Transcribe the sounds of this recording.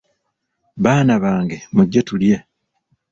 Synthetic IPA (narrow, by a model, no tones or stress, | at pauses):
βaːnaβaːŋɡe̞muɟːetulje̞